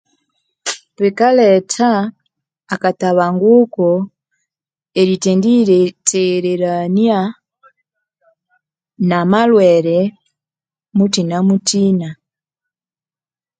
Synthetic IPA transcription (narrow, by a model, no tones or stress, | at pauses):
pɛkalɛtʰaː | kataβaŋɡukɔ | eɾitɛndiɾɛtɛɾɛɾanja | namalwɛɾɛ | mutinamutina